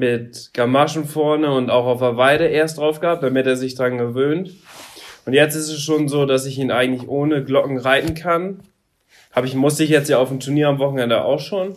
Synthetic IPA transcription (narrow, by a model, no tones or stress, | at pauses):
mɪtɡ̥amaʃn̩fɔɐnəʊntaʊxaʊfavaɪɾəʔeːɐstd̥ʁaʊfɡ̥əhaːp̚td̥amɪteːɐzɪçd̥ʁanɡəvøːnt | ʔʊntjɛt͡stɪstɛsʃoːnzoːdasɪçiːnʔaɪɡŋ̩tlɪçʔoːnəɡlɔkŋ̩ʁaɪtn̩kʰan | haːbɪçmʊstəɪçjɛt͡stjaːaʊfm̩tʰuɐniːɐamvɔχn̩ɛndəʔa̰ʊxʃoːn